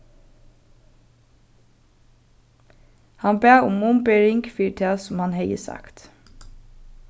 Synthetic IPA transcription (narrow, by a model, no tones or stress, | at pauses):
hɑnbeːʊmʊmbeːɹɪŋɡfiːʈʰeːsʊmhɑnhɛɪəsɑ̰kt̪